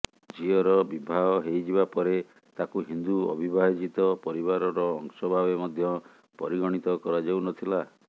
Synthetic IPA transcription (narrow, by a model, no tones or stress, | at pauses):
d͡ʒiɔɾɔbibʱaɦɔɦejd͡ʒibapɔɾe | t̪akuɦind̪uɔ̰bʱibaɦid͡ʒit̪ɔpɔɾibaɾɔɾɔːŋsɔbʱaβemɔd̪ʱjɔ | pɔɾiɡɔɽ̃it̪ɔkɔɾad͡ʒawnɔt̪ʰila